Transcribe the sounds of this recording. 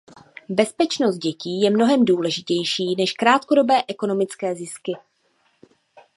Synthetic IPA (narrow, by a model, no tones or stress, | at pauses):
bɛspɛt͡ʃno̞st̪̚ɟɛciːjɛmno̞ɦɛmduːlɛʒɪcɛjʃiːnɛʃkɾaːt̪ko̞do̞bɛːʔɛko̞no̞mɪt͡skɛːzɪskɪ